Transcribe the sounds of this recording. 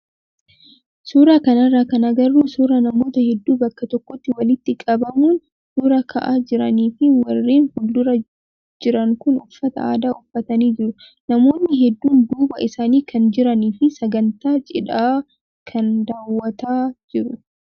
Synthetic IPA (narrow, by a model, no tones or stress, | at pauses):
suːɾaːkɐnɐrːaːkɐnɐɡɐrːuːsuːɾɐnɐmo̞ːt̪ɐhɛd̪ːuːbɐkːɐt̪ɔkːɔt̪ːɪwɐlɪt̪ːɪkʼɐbɐmuːn | suːɾɐkʰɐ̰ʔaːd͡ʒɪɾɐniːfɪwɐrːiːnhʊld̪ʊɾɐ | d͡ʒɪɾɐŋkʊnʊfːɐt̪ɐ̰aːd̪aːʊfːɐt̪ɐniːd͡ʒɪɾʊ | nɐmo̞ːnːɪɦɛd̪ːuːnd̪uːbɐʔɪsaːniːkʰɐnd͡ʒɪɾɐniːfɪsɐɡɐnt̪aːt͡ʃʼɪᶑaː | kʰɐnd̪aːwːɐt̪aːd͡ʒɪɾʊ